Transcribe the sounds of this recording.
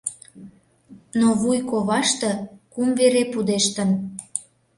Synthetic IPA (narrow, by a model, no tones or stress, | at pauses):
noβujkoβɑʃt̪ɤ̆kumveɾepud̪eʃt̪ə̆n